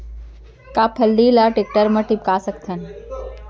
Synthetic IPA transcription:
kaːpʰəlːilaʈek̚ʈəɾməʈip̚kaːsəkt̪ʰən

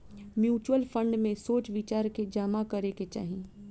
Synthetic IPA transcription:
mjuːt͡ʃwəlfʰə̃ɳɖmẽsoːt͡ʃʋɪt͡ʃaːɾked͡ʒaːmakɐɾeket͡ʃa̰ːɦĩ

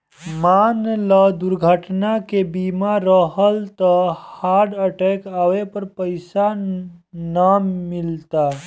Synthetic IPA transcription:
maːnləd̪ʊɾɡʱəʈnakebiːmaɾəɦəlt̪əhaːɖəʈɛːkaːwepəɾpəɪsa | nəmɪlt̪a

